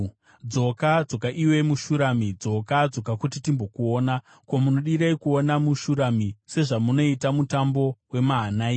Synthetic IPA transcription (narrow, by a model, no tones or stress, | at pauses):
d͡zo̞kad͡zo̞kaʔiwe̞muʃuɾamid͡zo̞kad͡zo̞kakutitimbo̞kuoːna | ko̞muno̞ɗiɾaikuonamuʃuɾamise̞ʐamuno̞itamutambo̞we̞maɦanai